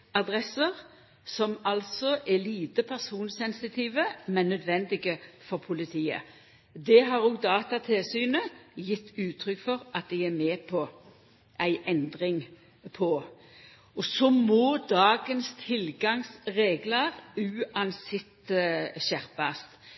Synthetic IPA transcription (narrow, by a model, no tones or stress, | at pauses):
ɑd̪ɾɛsəʁ | sɔmɑlsɔʔɛliːt̪əpʰæʁsuːnsɛnsɪt̪ʰiːʋəmɛnːœd̪ʋɛnd̪ɪɡəfɔʁpʰʊlɪt̪ʰiːə̰ | d̪ɛɦɑɾoːɡ̚d̪ɑːt̪ɑt̪ʰɛlsyːnəjɪt̪ʰːʉːt̪ʰɾʏkfɔʁɑt̪̚d̪æɪæmeːpʰɔ | ʔæɪʔɛnd̪ʁɪŋ | pʰɔ | ɔsɔmɔd̪ɑːɡənst̪ʰɪlɡɑŋsɾeːɡləʁʉːɑnsɪt̪ɕæʁpɑst̪